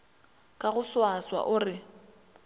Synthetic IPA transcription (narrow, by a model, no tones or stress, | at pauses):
kʼaɣʊswaswa̰ʔʊːrɪ